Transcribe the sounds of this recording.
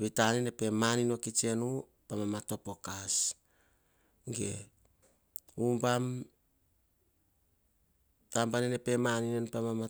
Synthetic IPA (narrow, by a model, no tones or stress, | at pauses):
βitanene̞pe̞manino̞kit͡ʃe̞nu | pamamato̞po̞kas | ɡe̞̰ | umpam | tampaninepe̞maninenpamama